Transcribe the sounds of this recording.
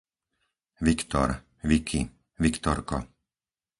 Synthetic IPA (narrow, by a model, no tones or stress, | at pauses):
ʋikt̪ɔ̰ɾ | ʋikʰi | ʋikt̪ɔɾkɔ̰